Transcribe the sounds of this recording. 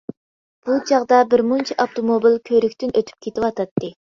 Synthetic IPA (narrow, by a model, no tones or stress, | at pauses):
b̥ut͡ʃɑʁd̪ɑbɪɾmunt͡ʃʰiʔɑpt̪ʰomobilkʲʰøɾykʲt̪ɪnøt̪ʰy̥p̚kʲʰet̪ɪwɑt̪ʰɑt̪ːɨ